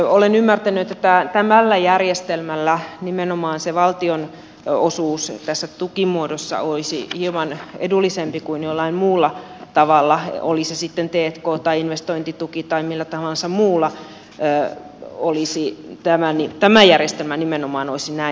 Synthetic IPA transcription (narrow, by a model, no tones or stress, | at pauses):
olenymːært̪ænyet̪ːt̪ːæt̪æmælːæjærjest̪elmælːænimenomɑːnseʋɑlt̪ion | osuːst̪æsːæt̪ukimuodosːɑ̰oisḭhimɑnḛdulːisempikuinjolːɑimmuːlːɑ | t̪ɑʋɑlːɑo̰lisesit̪ːent̪eːt̪koːt̪ɑiinʋest̪oint̪it̪ukit̪ɑimilːæt̪ɑʋɑlːsɑmuːlːɑ | olisit̪æmænit̪æmæjærjest̪elmænimenomɑːnoisinæi